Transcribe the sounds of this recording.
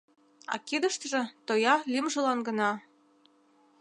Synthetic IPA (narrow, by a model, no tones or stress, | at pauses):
ɑ̰kid̪ə̆ʃt̪ʒɤ̆t̪ojɑlʲimʒɤ̆lɑnɡɤ̆nɑ